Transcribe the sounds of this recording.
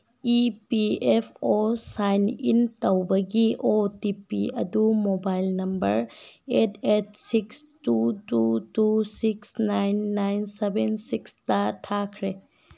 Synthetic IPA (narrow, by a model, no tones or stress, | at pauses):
ipiepʰosajnḭntɐwbɐɡiʔotipiɐ̰dumobajlnɐmbɐɾetʰet̚sikstututusiksnajnːajnsebensikstɐtʰakʰɾe